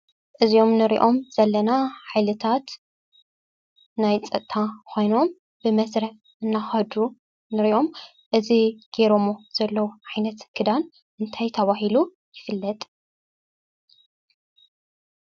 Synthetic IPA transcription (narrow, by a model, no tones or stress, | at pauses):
ʔɨzio̞mnɨɾiʔo̞mz̥ɐlːɐnaħajlɨt̪ʰat̪ | najt͡sʼɐt̪ʼʰːakʰʷo̞jno̞m | bɨmɐsɾɐħ | ɨnːaxɐd̪u | nɨɾiʔo̞m | ʔɨziɡ̥eɾomoz̥ɐlːɐwuʕajnɐt̪ɡ̥ʰɨd̪an | ʔɨnt̪ʰajt̪ʰɐβaɦilu | jɪfɨlːɐt̪ʼ